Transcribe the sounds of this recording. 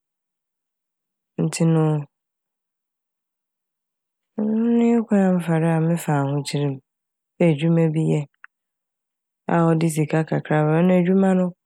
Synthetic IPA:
n̩˨tʰɪ˦nʊ̃˦ | ʊ̃˦nɪ̃˦kʷʰa˦ã˦m̩˦fa˨ɾɪ˦a˨mɪ̃˦fa˨hʊ̃˦t͡ɕʰi˨ɾĩ˨m | æ˨d͡ʑᶣu˦mɛ̃˦bi˦jɛ˦ | a̰˨ɔ˨dɪ˦s̬i˨kʰa˦kʰa˨kʰɾa˦bɛ˨˦nʊ̃˦æ˨d͡ʑᶣu˦mã˦nʊ̃˦

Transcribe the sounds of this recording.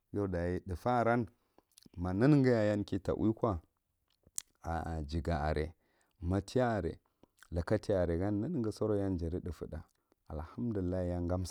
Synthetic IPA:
jo˦da˨ji˦ɗə˨fa˦˨ɾa˦n | ma˨na˦n˦ŋɡa˦ja˨ja˦nki˦ta̰˨ʔkʷa˦ | a̰˨d͡ʒi˨ɡa˨a̰˨ɾʔḛ˨ | ma˨tʰi˦ja˦a˨ɾḛ˨ | la˨ka˦ti˦a˦a˨ɾe˨ɡa˦nː˦a˦n˦ŋɡa˨so˦ɾo˦ja˦nd͡ʒa˨ɾi˦ɗə˨fə˨ɗa̰˨ | a˨lha˦mdu˨i˨lːa˦i˦ja˦ŋɡa˦ms

